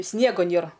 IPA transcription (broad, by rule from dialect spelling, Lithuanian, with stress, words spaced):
ˈsʲnʲiɛɡoː ˈnʲeːrɐ